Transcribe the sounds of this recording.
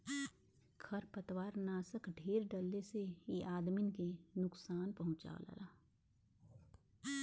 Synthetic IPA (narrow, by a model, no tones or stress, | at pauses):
kʰɐɾpət̪waːɾnaːsəkɖʱeːɾɖəlːeseeʔaːd̪mɪnkenʊksaːnpɐɦʊ̃t͡ʃa̰ːo̰la̰laː